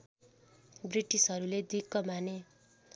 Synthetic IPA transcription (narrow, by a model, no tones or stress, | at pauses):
briʈisɦʌɾuled̪ikːʌmane